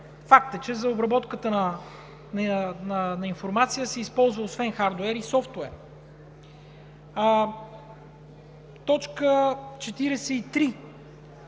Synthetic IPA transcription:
fak̚t̪ət͡ʃɛzɐobɾɐbɔt̪kət̪ənə | nnənɐinfoɾmat̪sijəsɛispɔlˠzvəosvɛnxaɾd̪oɛɾisɔft̪ʊɛɾ | t̪ɔt͡ʃkət͡ʃɛt̪iɾɛsɛit̪ɾi

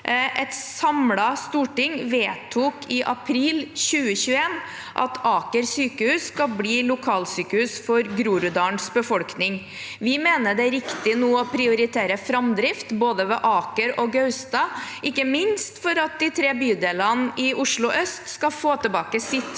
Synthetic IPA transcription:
ʔɛt̪sɑmlɑst̪uːʈɪŋʋeːt̪ʰːuːkʰɪʔɑpʰɾiːlɕʉːəɕʉːəeːn | ʔɑ̰t̪ʰɑːkəɾsyːkəhʉːsːkɑlbliːlʊkʰɑːlsyːkəhʉːsfɔɾɡɾuːɾʉd̪ɑːnsbəfɔlknɪŋ | ʋɪmeːnəɖ̪ɛæɾɪkt̪ɪnuːɔpʰɾɪʊɾɪt̪ʰeːɾəfɾɑmd̪ɾɪft̪boːd̪əʋɛːʔɑːkəɾɔɡœʉst̪ɑːʔɪkːəmɪnst̪fɔɾɑt̪̚d̪ɪt̪ʰɾeːbyːd̪eːlənɪʊʂɭʊʔœst̪skɑfoːt̪əlbɑːkəsɪt̪ː

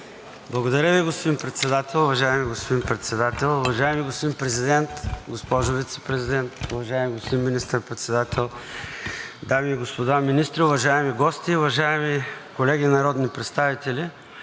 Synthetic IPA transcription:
blˠɐɡod̪ɐɾʲəviɡospod̪inpɾɛt̪sɛd̪at̪ɛlˠʊvɐʒaɛmiɡospod̪inpɾɛt̪sɛd̪at̪ɛlˠʊvɐʒaɛmiɡospod̪inpɾɛzid̪ɛnt̪ɡospɔʒʊvit̪sɛ̥pɾɛzid̪ɛnt̪ʊvɐʒaɛmʲiɡospod̪inminist̪əɾpɾɛt̪sɛd̪at̪ʰɛlˠ | d̪amiːɡospod̪aminist̪ɾiʊvɐʒaɛmiɡɔst̪iʊvɐʒaɛmikolɛɡinɐɾɔd̪nipɾɛt̪st̪avit̪ɛlʲi

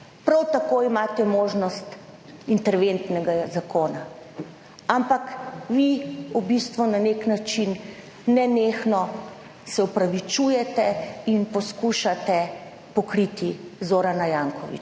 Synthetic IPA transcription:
pɾawt̪akoimaːt̪ɛmoːʒnɔst̪ | int̪ɛɾʋent̪nɛɡazakʰoːna | ampakʋiubist̪ʋunaneknat͡ʃinː | ɛneːxnɔ | sɛɔpɾaʋit͡ʃujɛt̪ɛinpɔskuʃat̪ɛ | pɔkɾit̪izoːɾanajaːŋkɔʋḭt͡ʃ

